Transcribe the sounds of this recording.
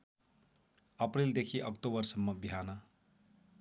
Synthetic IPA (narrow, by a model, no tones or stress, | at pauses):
ʌprild̪ekʰiʔʌkt̪obʌrsʌmːʌbiɦanʌ